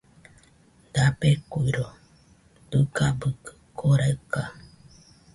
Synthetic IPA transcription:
d̪apekʷiɾo | t̪ɨkabɨkɨ̥kʰoɾaɨka

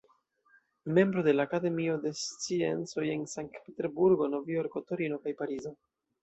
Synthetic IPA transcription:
me̞mbɾo̞de̞laːkade̞mio̞de̞st͡sie̞̰nt͡so̞je̞nsaŋk̚tpete̞ɾbuɾɡo̞no̞vioɾkoto̞ɾino̞kajpaɾizo̞

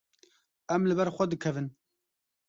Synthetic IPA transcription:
ɛmlɨbɛɾxʷɛd̪ɨkʰɛvɨn

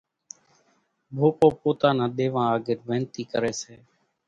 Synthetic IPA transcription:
bʱoːpoːpoːt̪aːnãːɗ̪eːʋãːaːɡɪɾʋẽːnt̪iːkəɾeːseː

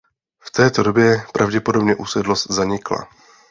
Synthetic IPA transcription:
ft̪ɛːt̪o̞do̞bjɛpɾʔavɟɛpo̞do̞bɲɛʔuːsɛdlost̪zaɲɪkla̰

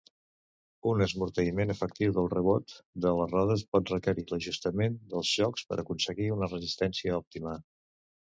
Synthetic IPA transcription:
unəzmuɾt̪əimenəfəkt̪iwðəlˠrəβot̪d̪ələrɔðəspɔt̪rəkəɾiləʒust̪əmend̪əlˠzʒɔkspə̰ɾʔəkunsəɣiunərəzist̪ɛnsiəɔp̚t̪imə

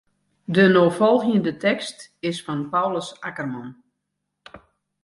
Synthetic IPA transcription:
dənoːfɔlˠɣjəndətɛkstɪsfɔnpawləsakərmɔn

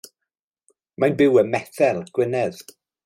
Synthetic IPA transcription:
manbɪwəmɛθɛlˠɡ̥wɪnɛð

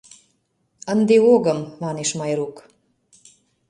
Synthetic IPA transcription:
ə̆nd̪eoɣəmmɑneʃmɑjɾuk

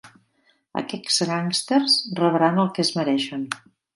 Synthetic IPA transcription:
ə̰kɛksɾaŋst̪erzrəβɾanəlˠkeəzməɾɛʃən

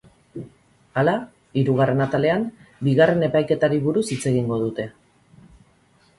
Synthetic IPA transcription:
ala | iɾuɣare̞nat̪ale̞ambiɣare̞ne̞pajke̞t̪aɾiβuɾusit͡se̞ɣiŋɡo̞ðut̪e̞

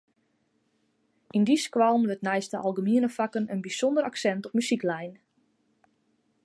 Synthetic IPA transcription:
ʔindiskʋalˠmʋətnɛjstəʔalˠɡəmiənəfakənənbisɔndəɾaksɛntɔpmysiklɛjn

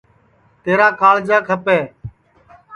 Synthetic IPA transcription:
t̪eːɾãːkaːld͡ʒaːkʰəpɛː

